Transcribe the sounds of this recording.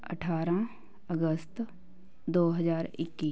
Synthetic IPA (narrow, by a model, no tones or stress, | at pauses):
ə̰ʈʰaːɾã | əɡəst̪ | d̪oːɦəzaːɾɪ̰kːiː